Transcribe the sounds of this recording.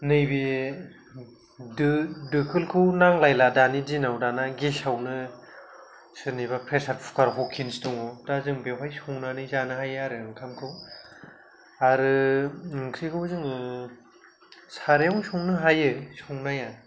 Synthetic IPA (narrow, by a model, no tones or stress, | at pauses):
nɯjbi | ddɯkʰɯlkʰunaŋlajladanidinawdanaɡesawnɯ | sɯniβapʰɾesaɾpʰu̥kaɾɦɔkʰinstuŋɔdazɯŋbewɦajsuŋnanɯzanɯɦajaɾɯɯŋkʰamkʰɯw | aɾɯŋkʰɾikʰɯwzɯŋɯ | saɾejawsuŋnɯɦajɯsuŋnaja